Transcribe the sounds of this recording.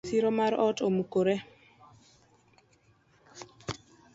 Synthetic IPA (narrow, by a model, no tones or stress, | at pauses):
siɾomaɾɔtomukoɾe